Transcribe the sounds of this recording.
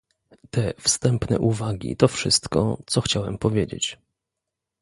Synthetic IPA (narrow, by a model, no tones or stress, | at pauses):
t̪ɛfst̪ɛmpnɛ̰ʔuvaɡʲḭt̪ɔfʂɘst̪kɔ̰t̪sɔxt͡ɕawɛmpɔvʲjed͡ʑḛt͡ɕ